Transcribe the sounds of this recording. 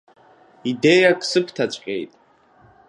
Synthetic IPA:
ide̞jakʼsɨkʷʰtʰat͡ʃʷʼqʲʼḛjtʼ

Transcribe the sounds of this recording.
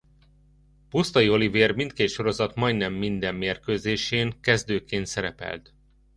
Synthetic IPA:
pust̪ɒjio̞liveːrmint̪keːt̪ʃo̞ɾo̞zɒt̪mɒjd̪nɛmːind̪ɛmːeːrkøːzeːʃeːŋkɛzd̪øːkeːnt̪sɛɾɛpɛ̰lt̪

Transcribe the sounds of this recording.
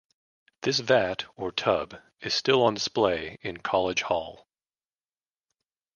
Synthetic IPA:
ðɪs̬væɾə˞tʰʌb | ɨz̥stɪlˠə̃ndɨspleɪɨ̃nkʰɑlˠɨdʒ̥hɔ̰lˠ

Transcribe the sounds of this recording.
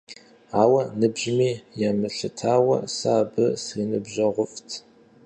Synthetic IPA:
aːwɐnɨbʒmiːjaːmɨɬɨtʰaːwɐ̰saːbɨsriːnɨbʒɐʁʷʊftʰ

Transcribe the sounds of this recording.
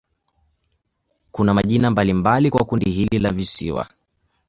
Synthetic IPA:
kunamaʄinambalimbalikwakundihililavisḭwa̰

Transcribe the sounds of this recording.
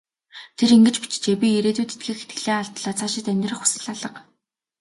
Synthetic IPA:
t̪ʰeɾiŋɡɘ̆t͡ɕpi̥t͡ɕt͡ɕepiːeɾeːt̪uːt̪ʰet̪̚ɡiːkxet̪̚ɡɘ̥̆ɮeːaɮt̪ɮaːt͡sʰaːʃɪ̆t̪ænʲt̪ʲrə̆χu̥sɘ̆ɮaɮə̆q

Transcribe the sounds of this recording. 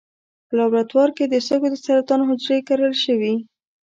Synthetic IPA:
pəlɑbɾat̪wɑɾked̪əst̪əɡod̪əsaɾat̪ɑnoɦʊd͡ʒɾekaɾəlʃəwi

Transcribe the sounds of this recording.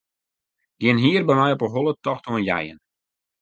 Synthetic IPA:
ɡ̥jɪnɦiərbɛmɛjɔpəɦolˠətɔxtʰoənjɛ̰jə̰n

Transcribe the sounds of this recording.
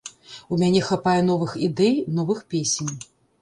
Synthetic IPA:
umʲanʲɛxapajɛn̪ɔvɨxid̪ɛjnɔvɨxpʲesʲenʲ

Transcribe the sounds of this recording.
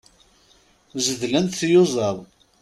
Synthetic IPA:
zəðlænt̪θjʊzˤəðˤ

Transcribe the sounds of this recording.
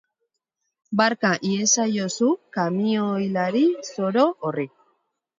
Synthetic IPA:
baɾkaʔiesajosukamiojlaɾiso̞ɾoʔorik

